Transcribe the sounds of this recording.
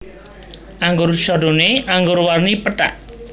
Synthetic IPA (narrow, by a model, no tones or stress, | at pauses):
ʔaŋɡʊrʃɔɖoneʔaŋɡʊɾwarnipəʈa̰ʔ